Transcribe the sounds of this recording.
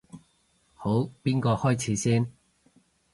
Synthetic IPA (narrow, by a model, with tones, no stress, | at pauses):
ho˨˥wpiː˥nkɔː˧hɔː˥jt͡sʰiː˨˥siː˥n